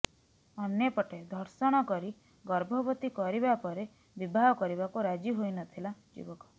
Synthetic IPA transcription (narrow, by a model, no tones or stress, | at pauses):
ɔnjepɔʈed̪ʱɔɾsɔɽ̃ɔkɔɾi | ɡɔɾbʱɔbɔt̪ikɔɾibapɔɾe | bibʱaɦɔkɔɾiβakuɾad͡ʒiɦojnɔt̪ʰilad͡ʒḭbɔkɔ̥